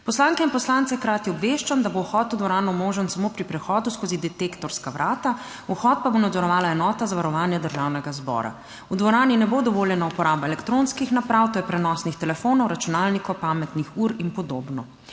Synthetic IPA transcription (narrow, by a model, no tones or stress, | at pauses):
pɔslaŋkɛinpɔslaːnt̪sɛxkɾaːt̪iɔbʋeʃt͡ʃamd̪abouxɔt̪ud̪ʋɔɾaːnɔmoːʒənsamopɾipɾɛxɔːd̪uskozid̪ɛt̪ekt̪ɔɾskaʋɾʔaːt̪a | uxɔːt̪̚pabonad̪zɔɾɔʋaːlaɛnɔːt̪azaʋaɾɔʋaːnjɛd̪əɾʒaːwnɛɡazbɔ̰ːɾa̰ | ud̪ʋɔɾaːninɛbod̪ɔʋoːljɛnaupɔɾaːbaɛlɛkt̪ɾonskixnapɾawt̪oːjɛpɾɛnɔːsnixt̪ɛlɛfonɔwɾat͡ʃunaːlnikɔwpaːmɛt̪nixuɾinpɔd̪oːbnɔ